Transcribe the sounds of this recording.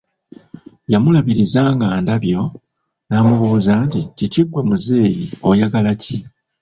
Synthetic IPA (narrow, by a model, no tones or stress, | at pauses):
jamulaβiɾizaːŋɡaːndaβjo̞ | naːmuβuːzaːnticiciɡwemuze̞ːjio̞jaɡalaci